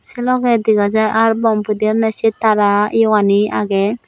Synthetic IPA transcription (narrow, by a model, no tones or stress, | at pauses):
sɛlɔɡɛd̪iɡad͡ʒaʔaɾbɔmpud̪iɔnɛsit̪aɾajwania̰ɡɛ